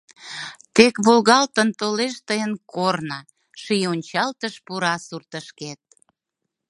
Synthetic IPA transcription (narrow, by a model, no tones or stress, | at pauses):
t̪ekβolɣɑlt̪ənt̪oleʃt̪əjənkornɑ | ʃijonʲt͡ɕɑlt̪əʃpuɾɑsurt̪əʃket̪̚